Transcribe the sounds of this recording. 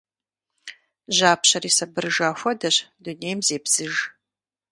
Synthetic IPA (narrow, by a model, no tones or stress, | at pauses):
ʒaːpɕɐɾiːsɐbɨrɨʒaːxʷɔdɐɕduneːjmzeːbz̥ɨʒ